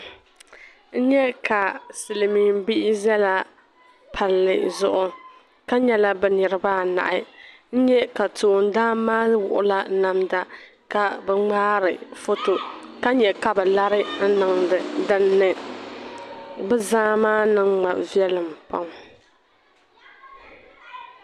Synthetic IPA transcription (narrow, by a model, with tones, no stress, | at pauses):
n̩˦ɲɛ˦ka˨sɨ˨lɨ˨miː˨m˦bi˦ʔɪ˦zɛ˦la˦ | pʰa˨lːɨ˨zʊ˦ʔʊ˦ | ka˦ɲɛ˦la˦bɛ˦nɨ˨ɾɨ˦baː˦na̰˨ʔɪ˦ | n̩˦ɲɛ˦ka˨to˨n˦daː˦maː˦wʊ̰˨ʔʊ˦la˦na˨mda˦ | ka˨bɛ˦ŋ͡maː˦ɾɨ˨fo˦to˨ka˦ɲɛ˨ka˨bɛ˨la˦ɾɪ˦n̩˦nɨ˨ŋdɨ˨dɨ˦nːɨ˦ | bɛ˦zaː˦maː˦nɨ˨ŋŋ͡ma˨vi˦ɛ˦lɨ˨mpa˦ŋ